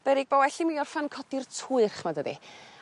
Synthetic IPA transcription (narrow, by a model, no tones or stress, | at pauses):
b̥ɛɾɪɡ̚bɔwɛɬimiɔrfankʰɔdɪrtʰuɨrχmadədḭ